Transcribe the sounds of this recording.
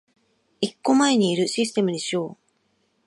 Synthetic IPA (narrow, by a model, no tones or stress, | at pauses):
ikːo̞maeɲ̟iːɾɯ̟ɕisɨ̥t̪e̞mɯ̟d̪e̞ɕo̞ː